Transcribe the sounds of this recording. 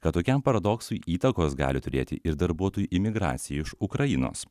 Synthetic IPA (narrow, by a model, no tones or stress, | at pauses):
kɐt̪t̪ːoːkʲɛmpɐɾɐd̪oːksʊjiːt̪ɐkoːsɡɑ̰ːlʲɪt̪ʊɾʲḛːt̪ʲɪ̰ʔɪɾd̪ɐɾbuɔt̪oːjuʔɪmʲɪɡɾɑ̰ːt̪sʲɪjɛɪʃʊkɾɐjɪno̰ːs